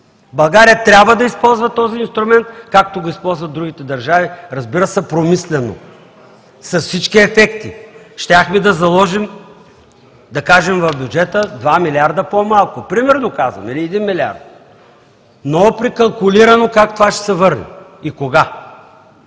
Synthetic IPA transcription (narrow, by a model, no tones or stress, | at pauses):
bɐlˠɡaɾijət̪ɾʲabvəd̪ɐispɔlˠzvɐt̪ɔziːnst̪ɾʊmɛnt̪kakt̪oɡʊispɔlˠzvɐt̪ːɾuɡʲit̪ɛd̪ɐɾʒaviɾɐzbiɾəsɛpɾomislɛno̰ | sɐsfsit͡ʃkiɛfɛkt̪iʃt̪ʲaxmid̪ɐzɐlˠɔʒim | d̪ɐkaʒɛmvɐvbʲjud͡ʒɛt̪əd̪vamilʲiaɾd̪əpomalˠkʊpɾimɛɾnokazvɐ̰miliɛd̪inmilʲia̰ɾt̪̚ | nopɾikɐlˠkʊliɾɐnokakt̪ovaʃt̪ɛ̥sɛvɤɾnɛ̰ikoɡa